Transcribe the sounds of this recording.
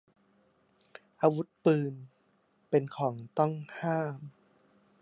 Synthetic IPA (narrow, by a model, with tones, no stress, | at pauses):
ʔaː˧wu˦˥t̪̚pɯː˧n | pe˧nkʰɔː˩˦ŋt̪ɔ˥˩ŋhaː˥˩m